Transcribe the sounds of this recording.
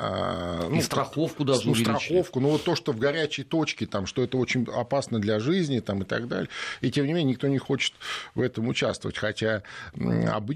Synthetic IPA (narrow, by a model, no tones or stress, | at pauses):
a̰nust̪ɾɐxofkʊd̪auvsʲɪlʲiɐxofkʊnovo̞t̪ːo̞ʂt̪ovɡɐɾʲæt͡ɕɪjt̪o̞t͡ɕkʲɪt̪amʂt̪o̞ɛt̪əo̞t͡ɕɪnʲɐpasnəd̪lʲɐʐɨzʲnʲɪt̪amɨt̪ɐ̰ɡd̪a̰lʲɪjitʲemnʲɪmʲenʲɲʲːnʲɪk̚t̪onʲɪxo̞t͡ɕɪ̥t̪vɛt̪əmʊt͡ɕast̪vəvə̰tʲxɐtʲa | ɐ̰bɨ